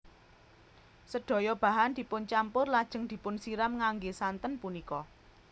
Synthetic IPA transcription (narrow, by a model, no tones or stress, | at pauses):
səɖ̥ɔ̤jɔb̥ä̤ɦand̪i̤pʊnt͡ʃampʊrlad̥ʒ̥ə̤ŋd̪̥i̤pʊnsiɾamŋaŋɡesant̪ənpunikɔ